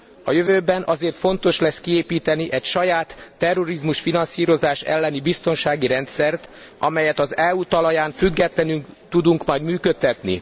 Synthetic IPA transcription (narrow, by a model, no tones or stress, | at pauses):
ɒ̰jøvøːbɛnʔɒzeːrt̪fo̞nt̪o̞ʃlɛskieːpiːt̪ɛniʔɛcʃɒjaːt̪ːɛrːo̞ɾizmuʃfinɒnsiːɾo̞zaːʃɛ̰lːɛnibist̪o̞nʃaːɡiɾɛnt̪sɛrt̪ | ɒ̰mɛjɛt̪ɒzɛut̪ɒlɒjaːɱfyɡːɛt̪lɛnyŋt̪ud̪uŋkmɒjd̪myːkøt̪ːɛt̪nḭ